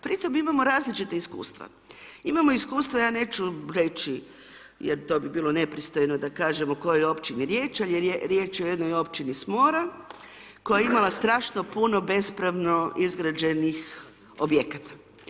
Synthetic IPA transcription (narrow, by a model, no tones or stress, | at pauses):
pɾit̪o̞mimamo̞ɾaːzlit͡ʃit̪aiskṵːst̪ʋa̰ | imamo̞iskuːst̪ʋajaːne̞ːt͡ʃuɾe̞t͡ʃi | jeɾt̪o̞ːbibiːlone̞pɾist̪o̞jno̞d̪akaːʒe̞moko̞jojo̞pt͡ʃiniɾje̞ːt͡ʃaljeɾeɾjeːt͡ʃjeo̞je̞d̪nojo̞pt͡ʃinismo̞ːɾa | ko̞jajeimalast̪ɾaːʃno̞puno̞be̞spɾaʋno̞ʔizɡɾad͡ʒe̞nix | objekat̪ḁ